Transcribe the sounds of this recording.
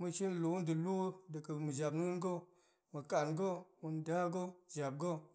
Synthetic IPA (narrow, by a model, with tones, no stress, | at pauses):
mɨ˧ʃi˦n˦lu˨wu˦ndə˨lu˦də˨kə˨mɨ˨d͡ʒa˨bnu˦nɡo˦ | mə˨ka˨nɡo˦mu˧nda˦ɡo˦ʒa˨b̚ɡo˦